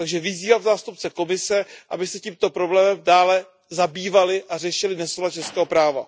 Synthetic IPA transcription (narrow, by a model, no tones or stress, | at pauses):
t̪aɡʒɛvɪziːvavzaːst̪up̚t͡sɛko̞mɪsɛʔa̰bɪsɛciːmt̪o̞pɾoblɛːmɛmdaːlɛ | zabiːvalɪʔar̝ɛʃɪlɪnɛsolat͡ʃɛskɛːɦopɾaːva̰